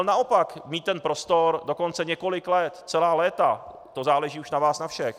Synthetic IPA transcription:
lnaopakmiːt̪ːɛnpɾost̪oɾdoko̞nt͡sɛɲɛko̞lɪklɛt̪t͡sɛlaːlɛːt̪a | t̪o̞zaːlɛʒiːuʃnavaːsnafʃɛx

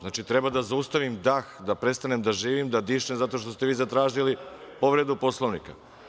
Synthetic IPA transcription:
znaːt͡ʃit̪ɾe̞bad̪azaust̪aʋimd̪axd̪apɾe̞st̪anemd̪aʒiːʋimd̪ad̪iːʃemzat̪o̞ʃt̪o̞st̪e̞ʋiːzat̪ɾaːʒilipo̞ʋɾe̞d̪upo̞slˠoʋnika̰

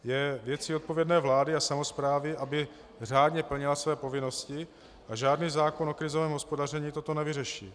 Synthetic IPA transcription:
jɛvjɛt͡siot̪̚po̞vjɛdnɛːvlaːdɪasamo̞spɾaːvɪʔabɪ | r̝aːdɲɛpl̩ɲɪlasvɛːpo̞vɪno̞scɪ | ʔaʒaːdniːzaːkono̞kɾɪzovɛːmɦo̞spo̞dar̝ɛɲiːt̪o̞t̪o̞nɛvɪrɛʃḭː

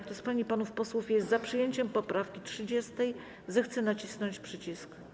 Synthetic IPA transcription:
kt̪ɔspaɲipanufpɔswufjɛst̪zapʂɘjeɲt͡ɕɛmpɔpɾafkʲitʂɘd͡ʑɛst̪ɛj | zɛxt̪sɛnat͡ɕisnɔɲt͡ɕpʂɘt͡ɕisk

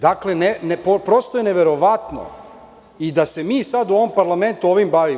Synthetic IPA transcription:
d̪akle̞nenpopɾost̪ojeneʋe̞ɾo̞ʋat̪no̰ | id̪ase̞miːsad̪uo̞ʋo̞mpaɾlame̞nt̪uo̞ʋimbaʋi

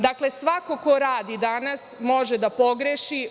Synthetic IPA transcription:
d̪akle̞sʋako̞ko̞ɾaːd̪id̪anasmo̞ʒed̪apo̞ɡɾeʃi

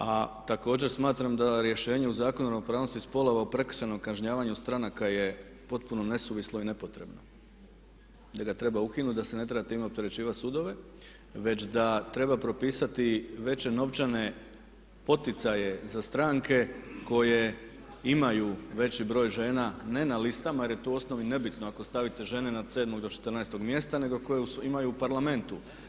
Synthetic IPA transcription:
at̪ako̞ːd͡ʑeɾsmaːt̪ɾamd̪aɾje̞ʃe̞ːɲe̞uzaːkonuɾanopɾaːʋno̞st̪ispo̞lo̞ʋaupɾe̞kr̥t͡ʃano̞mkaʒɲaːʋaɲust̪ɾanakaje̞ | po̞t̪̚puno̞ne̞suʋislˠoine̞po̞t̪ɾe̞bno̞ | d̪aɡat̪ɾe̞baukinut̪d̪ase̞ne̞t̪ɾe̞bat̪imeo̞p̚t̪e̞ɾe̞t͡ɕiːʋat̪ʲsud̪o̞ʋe̞ | ʋe̞t͡ɕd̪at̪ɾe̞bapɾo̞piːsat̪iʋe̞t͡ɕe̞no̞ʋt͡ʃane̞ | po̞t̪it̪saje̞zast̪ɾaŋkʰe̞ko̞je̞ | imajuʋe̞t͡ɕibɾo̞ːjʒe̞ːnane̞nalist̪amaje̞ɾje̞t̪oo̞sno̞ʋine̞bit̪noako̞st̪aʋit̪e̞ʒe̞ne̞nad̪se̞ːd̪mo̞ɡd̪o̞t͡ʃet̪əɾnɛːjst̪o̞ɡmje̞st̪ane̞ɡo̞ko̞jeuimajuupaɾlame̞nt̪u

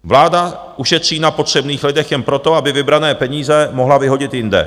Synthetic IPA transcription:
vlaːda | ʔuʃɛt̪r̝̥iːnapo̞t̪r̥ɛbniːxlɪdɛxjɛnpɾo̞t̪o̞abɪvɪbɾanɛːpɛɲiːzɛmoɦlavɪɦo̞ɟɪt̪jɪndɛ̰

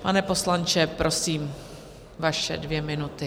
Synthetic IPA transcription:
panɛpo̞slant͡ʃɛpɾo̞siːm | vaʃɛ̰dvjɛmɪnut̪ɪ

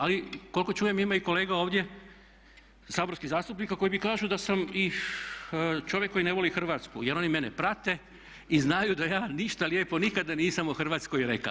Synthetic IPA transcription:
aliko̞lko̞t͡ʃuːje̞mimaiko̞le̞ːɡao̞ːʋd̪je̞ | saːbo̞ɾskizaːst̪upnikako̞jibikaːʒud̪asami | t͡ʃo̞ʋjekːojineʋo̞lixr̩ʋaːt̪skuje̞ɾo̞nime̞nepɾat̪e̞ | iznajud̪ajaːniʃt̪aljeːpo̞nikad̪aniːsamuxr̩ʋaːt̪skojɾeka̰

